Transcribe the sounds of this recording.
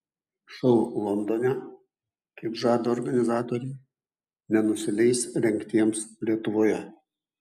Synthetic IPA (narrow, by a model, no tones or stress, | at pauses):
ʃɔʊlˠɔnd̪onʲɛ | kɐɪpʒɑːd̪oːɾɡɐnʲɪzɑːt̪oːɾʲɛɪ | nʲɛnʊsʲɪlʲɛɪsɾʲɛŋʲkt̪ʲiɛmslʲiɛt̪ʊʋoːjɛ